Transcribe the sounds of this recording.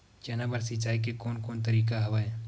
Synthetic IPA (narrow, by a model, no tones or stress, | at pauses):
d͡ʒɐnabəɾsɪt͡ʃaːikekoːnkoːnt̪ɐɾiːk̬aɦɐʋae